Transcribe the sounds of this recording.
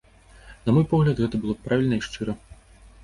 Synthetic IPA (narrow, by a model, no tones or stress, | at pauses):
nɐmɔjpɔɣlʲɐt̪ɣɛt̪ɐbɨlˠɔpɾavʲilʲnɐiʂt͡ʂɨɾɐ